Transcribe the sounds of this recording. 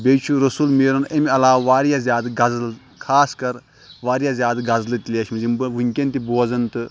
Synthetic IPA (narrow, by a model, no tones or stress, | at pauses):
bʲejt͡ʃʰuɾɐsulmeːɾɐnɐmʲiɐlaːʋʋaːɾjaːzʲaːd̪ɡɐzɨl | kʰaːskɐɾ | ʋaːɾjaːzʲjaːd̪ɡɐzlɨt̪ʲilʲeːʃmɐzimbɨʋuŋʲkʲɐnt̪ʲiboːzɐnt̪ɨ